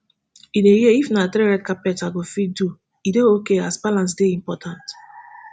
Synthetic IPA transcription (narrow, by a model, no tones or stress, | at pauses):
idejiifnatɾeɹɛtkapɛtaɡofit̚du | ideokeasbalãnsdeĩmpɔtʰãnt